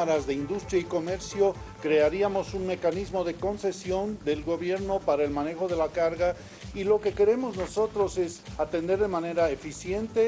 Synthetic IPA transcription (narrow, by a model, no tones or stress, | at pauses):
aɾazðe̞ind̪ust̪ɾjaiko̞me̞ɾsjo̞ | kɾe̞aɾiamo̞sunme̞kanizmo̞ðe̞ko̞nse̞sjo̞nd̪e̞lɣo̞βje̞ɾno̞paɾaelmane̞xo̞ðe̞lakaɾɣa | ilo̞ke̞ke̞ɾe̞mo̞zno̞so̞t̪ɾo̞se̞sat̪e̞nd̪e̞ɾðe̞mane̞ɾaefisje̞nt̪e̞